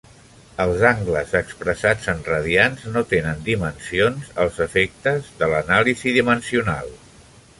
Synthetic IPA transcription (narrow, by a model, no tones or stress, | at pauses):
əlˠzaŋɡləzəkspɾəsad͡zənrəðianznot̪enənd̪imənsionzəlˠzəfek̚t̪əzðələnaliziðimənsiuna̰lˠ